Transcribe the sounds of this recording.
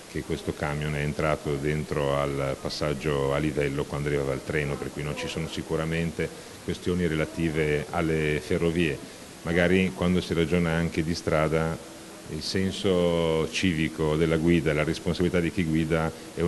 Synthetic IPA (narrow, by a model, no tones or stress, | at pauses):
k̟ekːwest̪okamjonɛeːnt̪ɾaːt̪od̪ent̪ɾoalpasːad͡ʒːoalːivɛlːokwand̪oaɾrivavaːlt̪ɾɛːnoperkujnont͡ʃisoːnosikuɾament̪e | kwest̪joːniɾelat̪iːvea̰lːeferːoviːe | maɡaːɾikwand̪osirad͡ʒoːnaaŋk̟ed̪ist̪ɾaːd̪a | ilsɛnsot͡ʃiːvikod̪elːaɡwiːd̪alaɾesponsabilit̪ad̪ik̟iɡwiːd̪a | ɛ